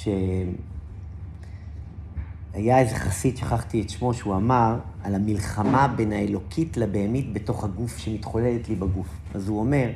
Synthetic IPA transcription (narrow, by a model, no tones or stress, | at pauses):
ʃe | ajaezeχasitʃaχaχtietʃmo̞ʃeuamaʁalamilχamabe̞naelo̞kʰitlabeːmitbe̞to̞χhaɡufʃemitχo̞le̞letlibaɡuf | azuo̞me̞ʁ